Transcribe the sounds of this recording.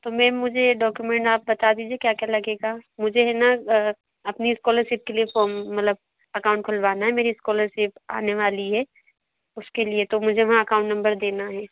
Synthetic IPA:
t̪omɛ̃mʊd͡ʒʱeɖɔːkjumɛ̃ɳʈaːp̚bɐt̪ad̪iːd͡ʒiekjaːkjalɐɡeːɡamʊd͡ʒʱeɦɛna | ɐpniɪskɔːləɾʃiːp̚keliefɔːɾmmːɐt̪ləb̚ | ɐkaːʊ̃ɳʈ̚kʰʊlʋaːnaɦɛmeːɾiɪskɔːləɾsɪːpa̰ːneʋaːliɦɛː | ʊskeliet̪omʊd͡ʒʱeʋɐɦãɐkãʊ̃ɳʈnɐ̃mbəɾd̪eːnaɦɛː

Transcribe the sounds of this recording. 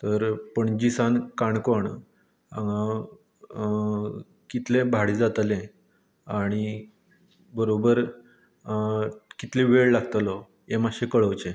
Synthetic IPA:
t̪əɾpəɳd͡ʑisankaɳkoɳ | ã̰ŋã | kit̪lẽbʱaɽid͡zat̪lẽ | aɽ̃i | bəɾobəɾ | kit̪lĩʋeɭlaɡt̪lɔ | jemaɕẽkəɭəwt͡ɕẽ

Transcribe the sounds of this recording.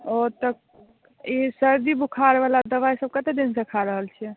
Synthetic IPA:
ot̪ək̚ | isəɾd̪ibukʰaɾeʋalad̪əβajsəb̚kət̪ed̪insəkʰaɾəɦəlt͡ʃʰɛ

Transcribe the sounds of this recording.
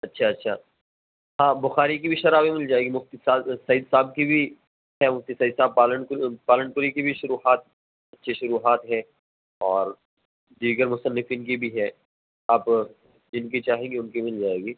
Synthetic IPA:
ɐtːʃʰaɐtːʃʰaː | ɦãːbʊxaːɾikibʱiʃɐɾaːbimɪld͡ʒaːeːɡimʊft̪isaːdsɐiːd̪saːb̚kibʱi | ɦɛmʊft̪isɐiːd̪saːb̚paːləɳpaːləɳkʊɾikibʱiʃʊɾuːɦaːt̪̚ | ɐtːʃʰeʃʊɾuːɦaːt̪ɦɛ̃ː | ɔːɾ | d̪iːɡəɾmʊsənːɪfinkibʱiɦɛː | aːp | d͡ʒɪnkit͡ʃaːɦẽːŋɡeʊnkimɪld͡ʒaːeːɡiː

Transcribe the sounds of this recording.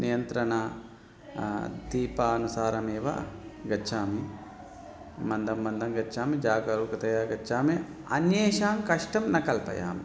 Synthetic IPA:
nijɐnt̪ɾɐɳɐ | d̪iːpaːɐnusaːɾɐmeːʋɐ̰ɡɐtːt͡ʃʰaːmi | mɐnd̪ɐmːɐnd̪ɐmɡɐtːʃʰaːmid͡ʒaːɡɐɾuːkɐt̪ɐjaːɡɐt͡ʃʰaːmi | ɐ̰njeːʃaːmkɐʂʈɐmnɐkɐlpɐ̰ja̰ːmi

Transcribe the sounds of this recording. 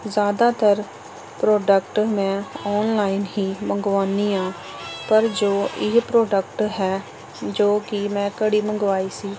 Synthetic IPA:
zjaːd̪aːt̪əɾ | pɾɔːɖəkʈmɛ̃ːɔːnlaːɪnɦiːmə̃ŋɡʋaːniːãː | pəɾd͡ʒoːʔɪɦpɾɔːɖəkʈɦɛː | d͡ʒoːkɪmɛ̃ːkəɽiːməŋɡʋaːiːsiː

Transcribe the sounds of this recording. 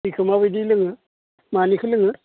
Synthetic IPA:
ikʰɯmaβɯdilɯŋɯ | manikʰɯlɯŋɯ

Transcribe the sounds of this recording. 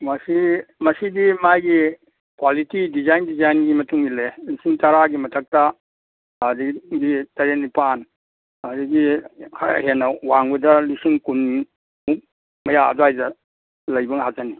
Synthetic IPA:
mɐsimɐsidimajɡi | kwalitidizajndizajnɡimɐtuŋilelisiŋtɐɾaɡimɐtʰɐk̚tɐː | diɡitɐɾenipan | ɐdiɡikʰahenɐwaŋbɐdɐlisiŋkun | muk̚ | mɐjaɐ̰doajdɐ | lɐjbɐŋhazani

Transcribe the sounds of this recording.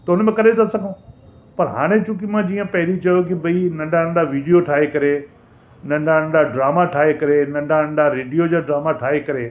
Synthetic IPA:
t̪ɐʊnmẽkɐɾet̪ʰasɐɡʱõ | pɐɾɦa̰ːɽ̃ẽt͡ɕũkimãd͡ʑiːə̃pɐɦɪɾit͡ɕɐjok̬ɪbɐinɐ̃ɳɖanɐ̃ɳɖaʋiːɖijoʈʰaːɦekɐɾe | nɐ̃ɳɖanɐ̃ɳɖaɖɾaːmaʈʰaːɦekɐɾenɐ̃ɳɖanɐ̃ɳɖaɾeːɖijod͡ʑaːɖɾaːmaʈʰaːɦekɐɾeː

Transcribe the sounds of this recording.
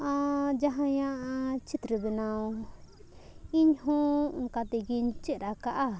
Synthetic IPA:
ãd͡ʒaɦãjãʔat͡ʃit̪ɾiβinãu | iɲɦũŋkat̪iɡint͡ʃiɾakaʔa

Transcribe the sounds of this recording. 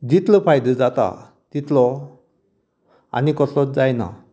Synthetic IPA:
d͡ʑit̪ləpʰajd̪əd͡zat̪a̰ | t̪it̪lɔ | a̰nikɔsɔd͡zajna̰

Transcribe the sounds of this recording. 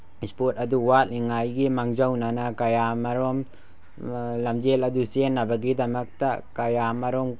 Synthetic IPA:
spotɐduwat̚liŋajɡimaŋzɐwnɐnɐkɐjamɐɾom | lɐmd͡ʒelɐdusenːɐbɐɡidɐmɐk̚tɐkɐjamɐɾom

